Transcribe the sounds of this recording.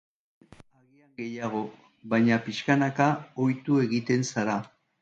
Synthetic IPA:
aɣiaŋɡe̞jaɣ̞o̞ | βajɲapiʃkanakao̞jt̪ue̞ɣit̪e̞nsaɾa

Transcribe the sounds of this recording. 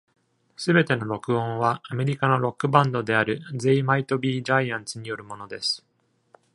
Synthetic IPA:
sɨbe̞t̪e̞no̞ɾo̞kɯ̟õ̞ɰ̃βaːme̞ɾʲikano̞ɾo̞kːɯ̟bãnd̪o̞d̪e̞aɾɯ̟zeimait̪o̞bʲiːʑaiãñt͡sɨɲ̟ijo̞ɾɯ̟mo̞no̞d̪e̞sɨ̥

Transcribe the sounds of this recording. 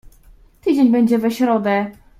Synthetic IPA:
t̪ɘd͡ʑeɲbɛɲd͡ʑɛvɛɕɾɔd̪ɛ

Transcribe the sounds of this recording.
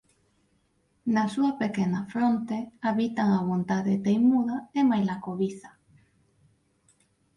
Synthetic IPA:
nasuɐpekenafɾont̪eaβit̪aŋaβ̞ont̪aðet̪ejmuðɐemajlakoβiθḁ

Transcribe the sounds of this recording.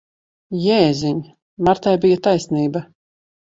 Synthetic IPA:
jɛːzʲiɲ | maɾt̪ajbijat̪ajsniːbɐ

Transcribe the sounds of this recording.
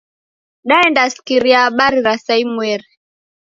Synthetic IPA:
ɗaɛndasi̥kiɾiaaɓaɾiɾasaimwɛɾi

